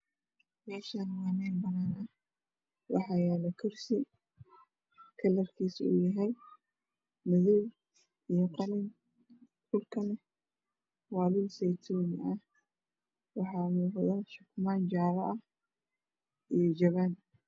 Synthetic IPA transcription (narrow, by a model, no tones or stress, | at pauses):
mɛːʃanwaːnɛnbɐnaːnɐ | wɑħɑːjɛːlɐkʰɪrsɪ | kʰɐlɐrkʰiːsṵʊ̰jɐɦɛj | mɐðʊw | ijɔqɑlɪn | ħʊlkʰɐnɐ | wɑːlɪlsɛjt̪ʰɔːnɪɐh | wɑħɑːmuːqðɐʃʊkʰʊmaːnt͡ʃaːβɐʔɐh | ʔijɔd͡ʒɐβan